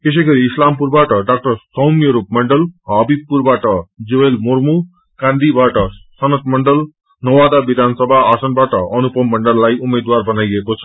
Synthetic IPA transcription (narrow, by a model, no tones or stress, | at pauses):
k̪es̬ʌjɡʌɾiːslampurbaʈʌɖak̚ʈʌrsʌwmjʌɾup̚mʌɳɖʌlɦʌbib̚pːurbaʈʌd͡zewelmormu | kãnd̪ibaʈʌsʌnʌt̪mʌɳɖʌl | nʌwad̪abid̪ʱansʌbʱaasʌnbaʈʌʌnupʌmːʌɳɖʌlːajumed̪warbʱʌnajʌkot͡sʰʌ̥